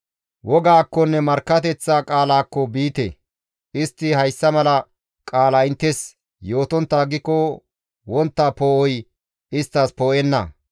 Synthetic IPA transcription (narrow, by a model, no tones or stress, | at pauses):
wɔɡaːkːɔnːɛmɐɾkːɐt̪ɛt͡sːaːkʼaːlaːkːɔbiːt̪ḛ | ʔɪst̪ːɪhɐjsːɐmɐlɐ | kʼaːlɐɪnt̪ːɛs | jo̞ːt̪ɔnt̪ːaːɡɪkːɔ | wɔnt̪ːaːpoːʔɔj | ʔɪst̪ːɐspoːʔɛnːɐ̰